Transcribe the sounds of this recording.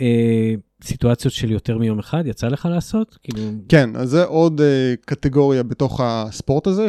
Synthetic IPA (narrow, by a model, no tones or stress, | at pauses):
e | situat͡sijo̞t̪ʃeljo̞te̞ʁmijo̞meχad̪jat͡sale̞χalaːso̞t̪kiːlukenʔa̰zːeʔo̞d̪ekat̪eɡo̞ʁijabeto̞χaspo̞ʁtaze